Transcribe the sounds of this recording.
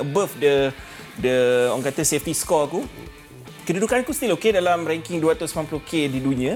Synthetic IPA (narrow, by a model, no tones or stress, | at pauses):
ʔəbəfdə | dəɔŋkat̪əsɛft̪iskɔku | kədudukankust̪ilokedalamɾɛŋkiŋduat̪usmanpluhkedidunĩã